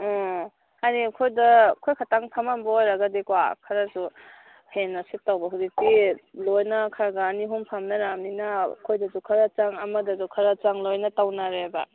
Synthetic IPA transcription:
hanikʰojdɐkʰojkʰataŋpʰamambɐojɾaɡadikwa̰kʰaɾazu | henːɐsitawbɐɦudik̚tilojnɐkʰaɾɡaːniɦumpʰamnɐɾamninɐkʰojdɐzukʰaɾat͡ʃaŋɐmɐdɐzukʰɐɾat͡ʃaŋlojnɐtawnaɾeba̰

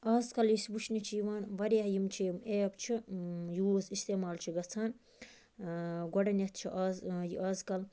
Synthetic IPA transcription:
aːzkɐljisbuʃʰnit͡ʃʰijiʋaːnʋɐɾɐɦjimt͡ʃʰijimeːbt͡ʃʰijuzist̪eːmaːlt͡ʃʰiɡɐt͡sʰaːn | ɡɐɖɐnɐt̪̚ʰt͡ʃʰiʔaːzjiʔaːzkɐl

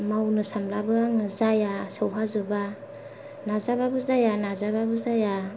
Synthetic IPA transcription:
mawnɯsamlabɯaŋɯzajasɯwɦazuba | nazababɯzajanazababɯzaja

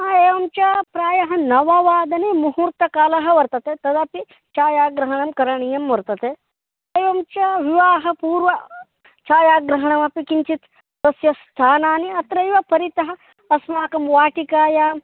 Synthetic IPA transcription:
aeːʋɐmt͡ʃapɾaːjɐɦɐ̆nɐʋɐʋaːd̪ɐnemuɦuɾt̪ɐkaːlɐɦɐ̆ʋɐɾt̪ɐt̪et̪ɐd̪ɐpi | t͡ʃaːjaːɡɾɐɦɐɳɐmkɐɾɐɳijɐmʋɐɾt̪ɐt̪e | eːʋɐmt͡ʃɐʋiʋaːɦɐpuːɾʋɐ | t͡ʃaːjaːɡɾɐɦɐɳɐmɐpikiɲt͡ʃit̪ | d̪ɐsjɐst̪ʰaːnaːniɐt̪ɾɐjʋɐpɐɾit̪ɐɦɐ̆ | ɐsmaːkɐmʋaːʈikaːja

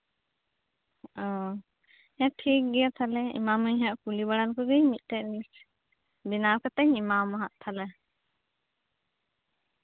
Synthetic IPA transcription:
ɔ̃ | ɛʈʰik̚ɡɛjat̪ʰalɛḭmaməɲɦaʔkulibaɽankɔɡəjmit̪̚ˀʈɛʔlis | binawkat̪əɲimamaɦaʔt̪ʰalɛ

